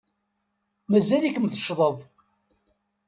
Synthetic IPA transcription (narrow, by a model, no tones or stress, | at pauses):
mæzælikəmθə̥ʃðˤəðˤ